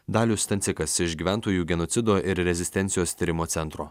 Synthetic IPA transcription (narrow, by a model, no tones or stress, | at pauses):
d̪ɑːlʲʊst̪ɐnʲsʲɪkɐsɪʃɡʲiːʋʲæˑnˑt̪oːjuːɡʲɛnoːt̪sʲɪd̪oːʔɪɾɾʲɛzʲɪsʲt̪ʲɛnt̪sʲɪjoːst̪ʲiɾʲɪmoːt̪sʲɛnt̪ɾoː